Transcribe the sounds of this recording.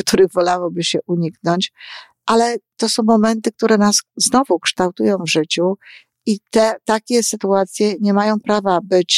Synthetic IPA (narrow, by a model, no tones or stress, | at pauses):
kt̪uɾɘɣvɔlawɔbɘɕɛʔuɲiknɔɲt͡ɕ | ʔalɛt̪ɔsɔ̃w̃mɔmɛnt̪ɘk̚t̪uɾɛnasznɔvukʂt̪awt̪ujɔ̃w̃vʐɘt͡ɕu | it̪ɛt̪akʲɛsɘt̪uat̪sʲjɛɲɛmajɔ̃w̃pɾavabɘt͡ɕ